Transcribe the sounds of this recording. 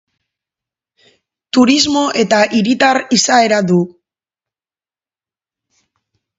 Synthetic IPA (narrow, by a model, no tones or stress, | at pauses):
t̪uɾizmo̞ʔe̞t̪aʔiɾit̪arisae̞ɾaðu